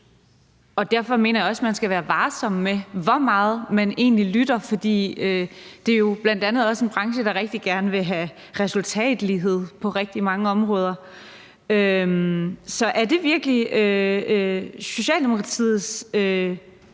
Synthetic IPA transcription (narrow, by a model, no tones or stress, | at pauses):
ɒ̽d̥æɐ̰fɒ̽me̝̰ːnɐjɑ̈ɒ̽smænsɡ̥æʋæːɐʋɑ̈ːsɒ̽m̰ːeʋɒmɑ̈ːð̩ˠmæne̝̰ːnlilyd̥ɐfɒ̽d̥ḭːød̥e̝ɐjo̝b̥læn̰d̥ænð̩ˠɒ̽se̝nb̥ʁɑ̈ŋʃəd̥ɑ̈ʁeɡ̥̚d̥iɡ̥æɐnəʋe̝ɦæ | ʁɛsult͡sʰɛ̰ːd̥liɦe̝ð̞̰ˠpʰɒ̽ʁɛɡ̥̚d̥imɑ̈ŋəɒ̽mʁɔːð̞ˠɐ | ømsɒ̽ʔæɐd̥e̝ʋiɐɡ̥əliø | so̝ɕɛ̰ːld̥emo̝kʰʁɑ̈t͡sʰḭːð̩ˠsø